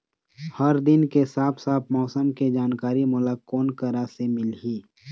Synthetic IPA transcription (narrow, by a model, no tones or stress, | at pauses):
həɾd̪ɪnkesaːpʰsaːp̚ʰmɔːsəmked͡ʒaːnkaːɾimʊlakːoːnkəɾasemɪlɦiː